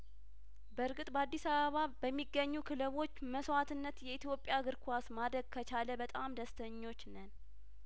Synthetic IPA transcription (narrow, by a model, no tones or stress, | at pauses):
bəɾɡɨt̪ʼbəad̪ːisaβəβabəmːiɡːəɲːukʰɨlɨβo̞t͡ʃːməsat̪ɨnːət̪jɛit̪jo̞pʼjaɡɨɾkʷʰasmad̪ɾəɡ̚kʰət͡ʃaləbət̪ʼamd̪əst̪ʰəɲːo̞t͡ʃːnən